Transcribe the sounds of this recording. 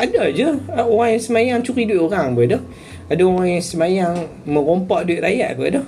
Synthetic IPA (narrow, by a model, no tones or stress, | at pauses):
adad͡ʒəoɣaŋjaŋsəmajaŋt͡ʃuɾiduiʔ̪oɾaŋbədɔh | adaoɣaŋjaŋsəmajaŋ | məŋɣompɔʔ̚duiʔ̪̚ɾajaʔ̚ba̰dɔh